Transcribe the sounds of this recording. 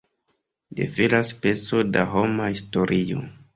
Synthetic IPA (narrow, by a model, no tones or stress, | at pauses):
dḛfelaspe̞so̞daɦo̞mahisto̞ɾʔio̰